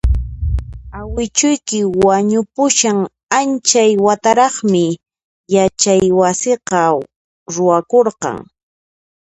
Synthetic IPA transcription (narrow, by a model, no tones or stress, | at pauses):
awɪt͡ʃʊjkɪwaɲʊpʊʃaŋ | ant͡ʃajwat̪aɾɑχmɪ | jat͡ʃajwasɪqɑ | ɾʊwakoɾqɑ̰ŋ